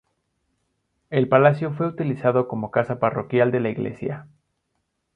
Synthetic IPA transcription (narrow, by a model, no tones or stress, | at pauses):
e̞lpalasjo̞fwe̞ut̪ilisaðo̞ko̞mo̞kasaparo̞kjald̪e̞laiɣle̞̰sja